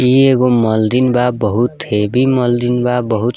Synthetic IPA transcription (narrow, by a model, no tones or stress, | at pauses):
ieɣomʌld̪inbabʌɦut̪ʰːebimʌld̪inbabʌɦut̪